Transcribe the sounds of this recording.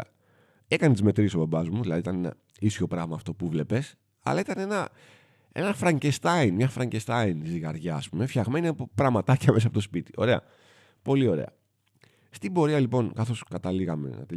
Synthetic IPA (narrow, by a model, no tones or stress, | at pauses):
ekɐnet̪izme̞t̪ɾisobɐbɐzmuðilɐðiːt̪ɐnenɐ̰ | isço̞pɾɐɣmɐːft̪o̞puvle̞pe̞s | ɐ̰lɐit̪ɐne̞nɐ | e̞̰nɐfɾɐɲɟest̪ɐinmɲɐfɾɐɲɟest̪ɐinziɣɐɾʝɐːspume̞fçɐɣme̞niɐpo̞pɾɐmɐt̪ɐciɐmes̬ɐpoto̞spit̪i̥o̞ɾe̞ɐ̰ | po̞lio̞ɾe̞̰ɐ̰ | st̪ibo̞ɾiɐlipo̞nkɐθo̞skɐt̪ɐliɣɐme̞̰nɐ̰t̪e